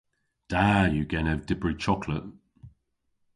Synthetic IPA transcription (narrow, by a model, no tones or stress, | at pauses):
d̥ajəɡɛnɛvdɪbɹit͡ʃʰɒkʰlə̰ʔ